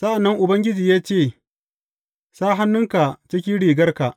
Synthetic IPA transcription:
sa˦ʔa˨nːɐ˦ŋʔʊ˨bɐ˦ŋɡʲɪ˦d͡ʒiː˨jaː˦t͡ʃeː˦˨ | saː˦ɦa˦nːʊ˦ŋka˨t͡ʃɪ˦kʲi˦ɽiː˨ɡɐ˦rka˨ʔ

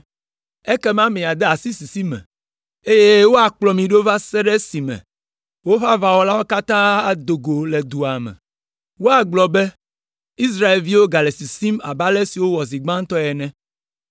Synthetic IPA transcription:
ɛ˦kɛ˦mã˦mĩ˨a˨d̪ɛ˦a˨si˦si˨si˦mɛ̰̃˨ | e˦je˦wo˦a˨k͡plɔ˨mĩ˨ɖo˦va˦sɛ˦ɖɛ˦si˨mɛ̰̃˨ | wo˦ɸa˦va˨wɔ˦la˦wo˦ka˦t̪ã˦a˨d̪o˨ɡo˨lɛ˨d̪u˨a˨mɛ̰̃˨ | wo˦a˨ɡ͡blɔ˨bɛ˦ | i˦s̬ɾa˦e˨lvi˦wo˦ɡa˨le˨si˨si˦ma̰˨ba˦lɛ˦si˨wo˦wɔ˨zi˨ɡ͡bã˦ŋ˦t̪ɔ˦ɛ˨nɛ̃˦

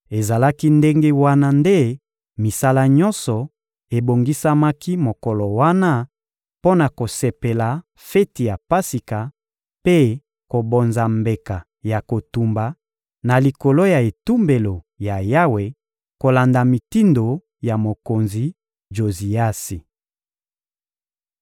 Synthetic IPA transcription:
e˨za˨la˦ki˦nde˦ŋɡe˦wa˦na˦nde˦ | mi˨sa˦la˦ɲɔ̃˦nsɔ˨ | e˨bo˨ŋɡi˦sa˦ma˦ki˦mo˨kɔ˨lɔ˨wa˦na˦ | po˦na˨ko˨se˨pe˨la˨ | fe˦ti˨ja˨pa˦si˨ka˨ | pe˦ | ko˨bo˨nza˨mbe˨ka˨ | ja˨ko˨tu˨mba˨ | na˨li˨ko˨lo˦ja˨e˨tu˦mbe˨lo˨ | ja˨ja˦we˨ | ko˨la˨nda˨mi˨ti˦ndo˨ | ja˨mo˨ko˨nzi˨ | d͡ʒo˨zi˨a˦si˨

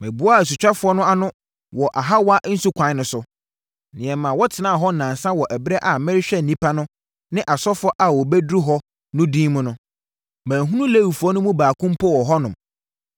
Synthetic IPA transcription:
mɛ̃˨bʊ˦a˦˨æ˨s̬u˨t͡ɕᶣa˦fʊ˨˦ɔ˦nʊ̃˦a˦nʊ̃˦ | wɔ˨ʔa˨ɦa˦wa˦n̩˦su˦kʷʰã˨˦nʊ̃˨sʊ˨ | nɪ̃˨ɛ˨mã˨wɔ˦tʰɪ˨nãː˦˨ɦɔ˦nã˨n˨sã˦wɔ˨ʔɛ˨bɛ˦ʔa˨mɪ̃˦ɾɪ˦ɕᶣɛ˦n̩˨nĩ˦pʰa˦nʊ̃˦ | nɪ̃˦ʔa˨sɔ˦fɔ˦ʔa˨wɔ˨bɛ˦dɾu˦ɦɔ˦ | nʊ̃˦dĩː˦mʊ̃˦nʊ̃˦ | mæ̃ː˨ɦũ˦nũ˦le˦˨i˨fu˨ɔ˦nʊ̃˦mũ˦baː˨kʰʊ̃˦m˦pʰɔ˦wɔ˨ɦɔ˦nʊ̃˨m

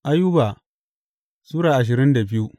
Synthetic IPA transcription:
ʔa˦ju˦ba˨ | suː˦ɽaː˨ʔa˨ʃ̬ɪ˨ɾɪ˦nda˨bɪ˦ju˦

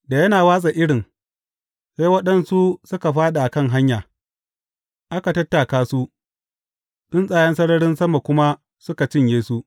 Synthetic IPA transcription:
da˨jɐ˦naː˨waː˦sʼa˨ʔɪ˦ɽɪ˨ŋ | sa˦jwɐ˦ɗɐ˦nsu˦sʊ˦ka˨ɸaː˦ɗa˨ʔa˨kɐ˦ŋɦa˦ɲjaː˨ | ʔa˦ka˨tɐ˦tːa˨kaː˦su˦ʔ | ɗʊ˦nsʼaː˨jɐ˦nsɐ˦ɽɐ˦ɽɪ˦nsɐ˦ma˨kʷʊ˦ma˦ | sʊ˦ka˨t͡ʃɪ˦ɲjeː˦su˦ʔ

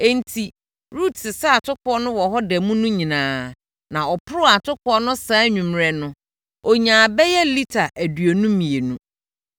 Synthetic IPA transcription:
ɛ˦n˦tʰi˨ | ɾu˦˨tsɪ˨saː˦˨tʰʊ˦kʰɔ˦nʊ̃˦wɔ˨ɦɔ˦dɛ˨mũ˦nũ˦ɲĩ˨nãː˨˦ | nã˨ɔ˨pʰʊ˦ɾʊ˦a˨tʰʊ˦kʰɔ˦nʊ̃˦sãː˦ɲũ˨mɾɛ˨nʊ̃˦ | ɔ˨ɲãː˨bɛ˦jɛ˦li˦tʰa˨ʔæ˨dɥo˨nũ˦mĩ˨e˨nũ˦

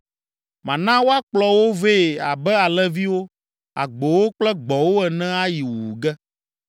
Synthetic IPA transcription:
mã˨nã˦wo˦a˦k͡plɔ˨wo˦ve˦˨a˨bɛ˦a˨lɛ˦vi˦wo˦ | a̰˨ɡ͡bo˨wo˦k͡plɛ˦ɡ͡bɔ˨wo˦ɛ˨nɛ̃˦a˦ji˨wu˨u˨ɡɛ˦

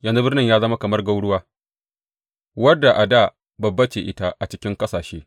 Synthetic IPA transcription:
jɐ˨nzu˦bɪ˦rnɪ˦˨ɲjaː˦zɐ˦ma˦kɐ˨mɐ˦rɡa˦wɽʊ˦waː˦ | wɐ˦dːa˨ʔa˨daː˦˨ | bɐ˨bːɐ˦t͡ʃeː˨ʔɪ˦ta˦ʔa˨t͡ʃɪ˦kʲɪ˦ŋkɐ˦saː˨ʃeː˦

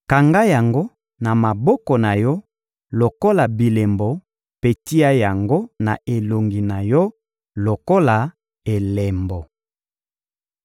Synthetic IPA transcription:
ka˨ŋɡa˦ja˨ŋɡo˦ | na˨ma˨bɔ˦kɔ˨na˨jɔ˦ | lo˨ko˦la˨bi˨le˨mbɔ˨ | pe˦ti˦a˦ja˨ŋɡo˦na̰˨ʔe˨lo˨ŋɡi˨na˨jɔ˦ | lo˨ko˦la˨ | e˨le˨mbɔ˨

